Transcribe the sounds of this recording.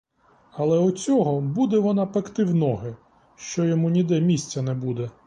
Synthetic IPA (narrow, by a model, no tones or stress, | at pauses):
ɐlˠɛʊt͡sʲɔɦɔbud̪ɛʋɔnɑpɐkt̪ɪwnɔɦɪ | ʃt͡ʃɔjɔmunʲid̪ɛmʲisʲt͡sʲɐnɛbud̪ɛ